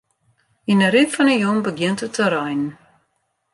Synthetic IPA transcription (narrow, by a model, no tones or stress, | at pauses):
inəɾitfɔnəjumbəɡjɪntətəɾɛjn